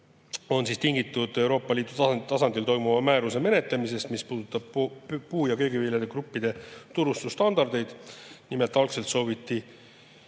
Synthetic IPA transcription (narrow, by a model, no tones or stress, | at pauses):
o̞nsiːst̪iŋɡit̪ːˑud̪̥e̞wɾo̞ːpˑːɑliːd̪̥ut̪ɑt̪ɑsɑnd̪ilt̪o̞jmumɑmæːɾuse̞me̞ne̞t̪lemise̞st̪mispuːd̪̥ut̪ːˑɑb̥̚puːjɑkøjɡiviljɑd̪ekɾupːid̪̥e̞t̪uɾust̪ust̪ɑnd̪ɑrd̪̥e̞jd̪̥nimelt̪ːˑɑlkselt̪so̞ːvit̪ːi